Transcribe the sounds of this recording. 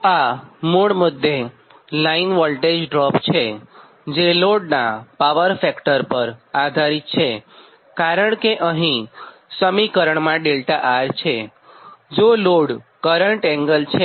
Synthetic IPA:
amuɽmʊd̪ʱːe | lainʋɔlʈed͡ʒɖɾɔpt͡ʃʰe | d͡ʒeloɽnapaʋəɾfɛkʈəɾpəɾad̪ʱaɾit̪̚t͡ʃʰe | kaɾəɳkeʔəɦĩ | səmikəɾəɳmãɖelt̪aʔaɾt͡ʃʰe | d͡ʒoloɽkəɾəɳʈɛ̃ŋɡəlt͡ʃʰe

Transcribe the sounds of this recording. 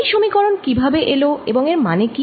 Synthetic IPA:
jʃomikɔɾonkibʱabeʔeloḛboŋeɾmaneki

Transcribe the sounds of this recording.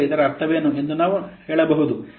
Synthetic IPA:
id̪ɐɾeɐɾt̪ʰɐʋeːnue̞nd̪unaːʋuheːɭɐbɐɦud̪u

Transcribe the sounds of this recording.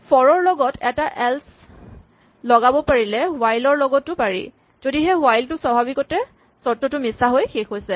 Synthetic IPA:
pʰɔɹɔɹlɔɡɔtʰɛtaʔɛls | lɔɡabɔpaɹilɛwajlɔɹlɔɡɔtːʊpaɹḭ | zodiɦɛwajltʊswabʱabikɔtɛ | sɔtːɔtʊmisaɦojxexojsɛ

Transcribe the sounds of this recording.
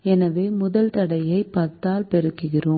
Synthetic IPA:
ɛnɐʋeːmʊðɐlt̪ɐɽɐjɐɪpːɐɾt̪ːaːlpɛɾɯkːɯɣɪroːm

